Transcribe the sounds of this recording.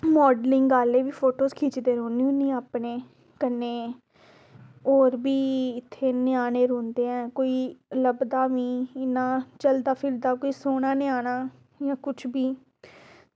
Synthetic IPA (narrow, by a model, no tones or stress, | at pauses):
mɔːɖlɪ̃ŋɡɡaːleːbiːpʰoːʈoːskʰiːt͡ʃd̪eːɾõːniõːnĩːaːpɳeː | kəneː | oːɾbiːɪt̪ʰːeːnɪaːneːɾõːnd̪eːɛ̃ːkoːiːləbd̪aːʋĩːɪnãːt͡ʃəld̪aːpʰɪɾd̪aːkoːiːsoːɽaːnɪaːɽ̃aː | jãːkʊt͡ʃʰbiː